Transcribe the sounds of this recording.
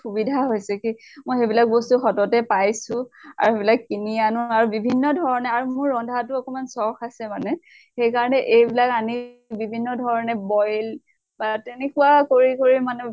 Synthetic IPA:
xubidʱaɦojsɛkimojxebilak̚bɔstuxɔtɔtɛpajsʊ̃a̰ɹuxebilakːinianʊaɹubibʱinːɔdʱɔɹɔnɛaɹumʊɹːɔndʱatuɔkɔmansɔɹkʰasɛmanɛ | xejkaɹɔnɛʔejbilakani | bibʱinːɔdʱɔɹɔnɛbɔjl | batenɛkuakoɹikoɹimanɛ

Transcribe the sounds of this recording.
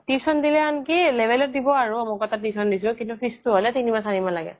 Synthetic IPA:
tisɔndilɛankilɛbɛlɔt̚dibɔaɹuamɔkɔtatisɔndisʊ̃kintupʰistuɦɔlɛtinibasanibɔlaɡɛ̰

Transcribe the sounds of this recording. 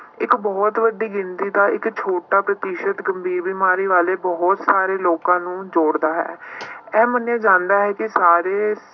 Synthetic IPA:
ɪkbɔːt̪ʋəɖiːɡɪnt̪iːd̪aːʔɪkt͡ʃʰoːʈaːpɾət̪ɪʃət̪ɡəmbʱiːɾbiːmaːɾiːʋaːleːbɔːt̪saːɾeːloːkãːnũːd͡ʒoːɽd̪aːɦɛ̰ːɛːmənãːd͡ʒãːnd̪aːɦɛːkɪsaːɾeː

